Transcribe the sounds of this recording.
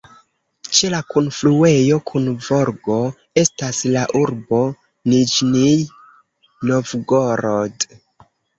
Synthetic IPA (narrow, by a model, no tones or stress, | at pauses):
t͡ʃe̞lakunflue̞jo̞kʰunvo̞ɾɡo̞ | e̞staslaʔuɾbo̞ | nid͡ʒnij | novɡoɾod